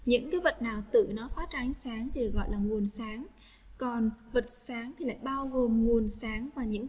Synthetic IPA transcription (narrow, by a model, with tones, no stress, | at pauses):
ɲɨ̰˧˥ŋkaː˨˦jvə˨˩t̚naː˨˩wt̪ɨ̰˧˨nɔ˨˦faː˨˦˥t̚t͡ɕʔa˨˦ŋ̟saː˨˦ŋt̪ʰi˨˩ɗɨ˨˩ək̚ɣɔ̰˧˨jlaː˨˩ŋu˨˩ənsaː˨˦ŋ | kɔ˨˩nvə˨˩t̚saː˨˦ŋt̪ʰi˨˩la̰ː˧˨jɓaː˧wɣo˨˩mŋu˨˩ənsaː˨˦ŋvaː˨˩ɲɨ̰˧˥ŋ